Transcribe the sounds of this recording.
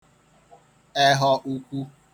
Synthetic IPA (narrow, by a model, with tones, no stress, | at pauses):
ɛ˦ɦɔ˦ʔu˦kʷu˦